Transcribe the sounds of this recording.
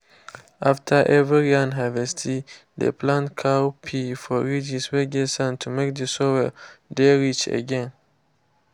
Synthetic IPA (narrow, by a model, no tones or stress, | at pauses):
ʔaftʰəʔɛvɹiãnɦavɛstʰi | dḛpʰlãntkʰawpʰifɔɹid͡ʒisweɡɛsãntʰumek̚dəsowɛdɛɹit͡ʃə̰ɡɛ̃n